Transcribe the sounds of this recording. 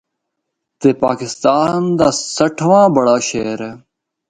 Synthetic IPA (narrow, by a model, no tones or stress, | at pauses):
t̪eːpa̰ːkɪst̪aːnd̪aːsəʈʰʋãːbəɽaːʃeːɾeː